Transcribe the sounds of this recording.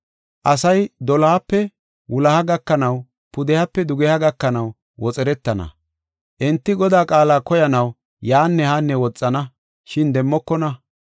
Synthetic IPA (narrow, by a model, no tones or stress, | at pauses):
ʔɐsɐjd̪ɔlɐhɐpːɛ | wʊlɐhɐɡɐkːɐnɐw | pʊd̪ɛhɐpːɛd̪ʊɡɛhɐɡɐkːɐnɐw | wɔt͡sʼɛɾɛt̪ːɐnɐ̰ | ʔɛnt̪ːɪɡɔd̪aːkʼaːlaːkɔjɐnɐw | jaːnːɛhanːɛwɔt͡sʼːɐnɐ | ʃɪnd̪ɛmːɔkːɔnɐ